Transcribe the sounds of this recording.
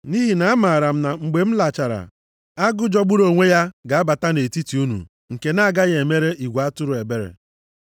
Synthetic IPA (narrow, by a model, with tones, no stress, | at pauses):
ni˦ɦi˨na˨˦a˦ma˨ɾa˨m̩˦na˨ŋ͡m̩˨ɡ͡be˨m̩˦la˨t͡ʃa˨ɾa̰˨ | a˦ɡʊ˦d͡ʒɔ˦ɡ͡bʊ˦ɾo˨ŋʷe˦ja˦ɡa˨a˦ba˨ta˦ne˨ti˦ti˨u˦nṵ˨ | ŋ̩˨ke˨na˦a˦˨ɡa˦ɣe˨me˦ɾe˦ʔi˨ɡʷa˦tʊ˦ɾʊ˨e˨be˦ɾḛ˨